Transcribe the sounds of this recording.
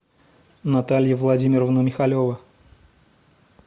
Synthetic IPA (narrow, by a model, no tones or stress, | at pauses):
nɐt̪alʲjəvlˠɐdʲimʲɪɾəvnəmʲɪxɐlʲovə